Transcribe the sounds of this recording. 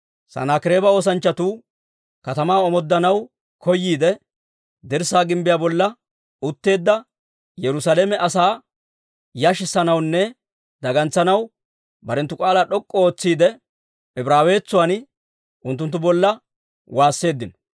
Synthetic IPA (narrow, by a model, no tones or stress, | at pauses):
sɐ̰naːkɪɾeːbɐo̞ːs̬ɐnt͡ʃːɐt̪uː | kɐt̪ɐmaːɔmɔd̪ːɐnɐw | kɔjːiːd̪ɛ | d̪ɛɾsaːɡɪmbɪjaːbɔlːɐ | ʊt̪ːe̞ːd̪ːɐ | jɛɾʊsaːleːmɛʔɐsaː | jaʃɪsːɐnɐwnːɛ | d̪ɐɡɐnt͡sːɐnɐw | bɐɾɛnt̪ːʊkʼaːlaːɗɔkʼːɔoːt͡sːiːd̪ɛ | ɛbɾaːwe̞ːt͡sːʊwan | ʔʊnt̪ːʊnt̪ːʊbɔlːɐ | waːsːe̞ːd̪ːɪnɔ